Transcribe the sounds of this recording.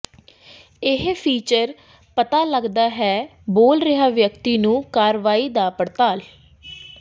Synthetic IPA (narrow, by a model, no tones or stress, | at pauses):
ɪɦpʰiːt͡ʃəɾ | pət̪aːləɡd̪aːɦɛːboːlɾɪɦaːʋjəkt̪iːnũːkaːɾʋaːiːd̪aːpəɽt̪aːl